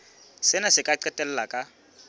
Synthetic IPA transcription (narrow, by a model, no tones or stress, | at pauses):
sɪnasɪkʼaɛtʼɛl̩lakʼa